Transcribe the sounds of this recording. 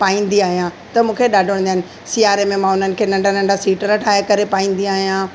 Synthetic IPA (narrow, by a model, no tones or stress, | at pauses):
paːĩːn̆d̪iaːɦijã | t̪ɐmũːkʰeɗaːɖʱəɽ̃nd̪aɦɪnɪ̆ | siːaːɾemẽmãːʊn̤ənɪ̆kʰeːnɐ̃ɳɖʱanɐ̃ɳɖʱasiːʈəɾɐʈʰaːjekɐɾepaːĩːn̆d̪iaːɦijã